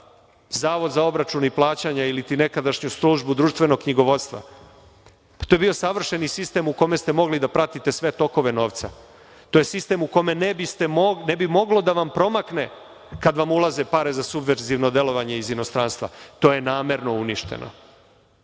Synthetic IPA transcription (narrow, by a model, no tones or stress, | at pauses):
zaːʋo̞d̪zao̞bɾat͡ʃuniplˠaːt͡ɕaɲailit̪ine̞kad̪aʃɲusɾuːʒbud̪ɾuːʃt̪ʋe̞no̞ɡ̚kɲiɡo̞ʋo̞t̪st̪ʋa̰ | pḁt̪ojebio̞saʋr̩ʃe̞nisist̪e̞muko̞me̞st̪emo̞ɡlid̪apɾat̪it̪e̞sʋe̞t̪o̞ko̞ʋe̞no̞ːʋt̪sa | t̪o̞je̞sist̪e̞mukome̞nebist̪e̞monebimo̞ɡlo̞d̪aʋampɾo̞makne̞ | kad̪ʋamulˠazepaɾe̞zasubʋeɾziʋno̞d̪e̞lˠo̞ʋaɲe̞izino̞st̪ɾaːnst̪ʋa̰t̪o̞je̞naːme̞ɾno̞uniʃt̪ḛno̞̰